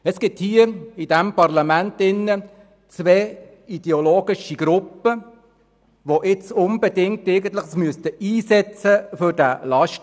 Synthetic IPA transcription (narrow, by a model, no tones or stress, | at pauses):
ɛsɡ̥ɪthiːəid̥ɛmpɑrlɑmæntɪnːə | t͡sʋɛː | id̥̪ɛoloːɡ̥ɪʃiɡ̥ɾʊpːə | ʋoʔɪt͡sʊnbɛdɪŋk̚tɪɪɡən̩tləχsmyəst̪əiːsɛt͡səfʏɾdælɑʃt